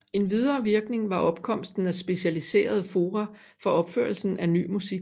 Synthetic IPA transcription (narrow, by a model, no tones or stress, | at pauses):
e̝nʋið̞ˠɐːʋiɐɡ̥ne̝ŋʋɑ̈ʔɒ̽b̥̚kʰɒ̽m̰sd̥n̩æsb̥e̝ɕælise̝̰ːɐð̞ˠəfo̝ːʁa | fɒ̽ɒ̽b̥føɐlsn̩æny̰ːmusiɡ̥